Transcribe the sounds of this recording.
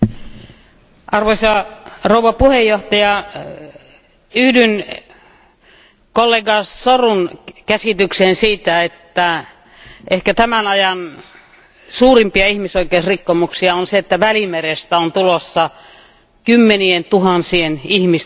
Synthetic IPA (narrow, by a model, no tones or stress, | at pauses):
ʔɑrʋoisɑrouʋˑɑpuhejːoht̪ɑjɑ | yhdyn | kolːeɡɑssorunkæsit̪yksensiːt̪æet̪ːæ | ʔehkæt̪æmænɑjɑn | suːrimpiɑihmisoikeusrikːomuksiɑonseet̪ːæʋælimerest̪æont̪ulosːɑ | kymːenient̪uhɑnsienihmis